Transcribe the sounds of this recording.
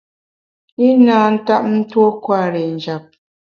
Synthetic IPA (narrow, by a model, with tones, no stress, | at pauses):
i˦naː˦n̩˦ta˦p̚n̩˦two˦kwa˦˨ɾɛ˨n̩˨d͡ʒa˨p̚